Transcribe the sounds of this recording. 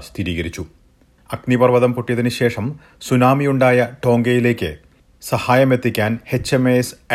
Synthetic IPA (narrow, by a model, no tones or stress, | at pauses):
sst̪ʰiɾiːɣɐɾit͡ɕːu | ɐknipɐrʋɐðɐmpoʈːijɐðinɨɕe̞ːʂɐm | sunaːmijuɳɖaːjɐʈo̞ːŋɡɐjile̞ːkʲːɨ̰ | sɐhaːjɐme̞t̪ːikʲːaːnhe̞t͡ɕːɐmeːs